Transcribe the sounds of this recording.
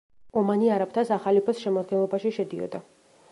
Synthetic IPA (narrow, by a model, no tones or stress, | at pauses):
ɔmaniaɾap̚t̪ʰasaχalipʰɛsʃɛmɔd̪ɡɛnlˠɔbaʃiʃɛd̪iɔ̰d̪a